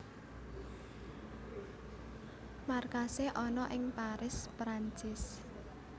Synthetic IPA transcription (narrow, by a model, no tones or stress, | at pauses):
markaseʔɔnɔʔɪŋpaɾɪspɾaɲt͡ʃɪs